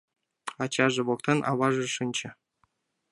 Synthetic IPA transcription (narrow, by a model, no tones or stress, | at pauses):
ɑt͡ɕɑʒɤ̆βok̚t̪ɤnʔɑ̰βɑʒɤ̆ʂɨnʲt͡ɕɘ̆